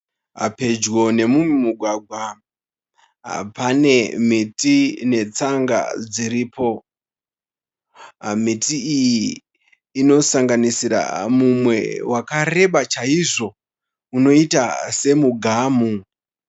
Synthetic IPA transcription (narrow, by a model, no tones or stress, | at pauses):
a̰pe̞d͡ʒɣo̞ne̞mumimuɡʱwaɡʱwa | pane̞mitine̞t͡saŋɡa̰d͡ziɾiːpo̞ | mitiːjiː | no̞saŋɡanisiɾa̰mumwe̞̰wakare̞ɓat͡ʃaiʐo̞ | uno̞itase̞muɡʱaːmu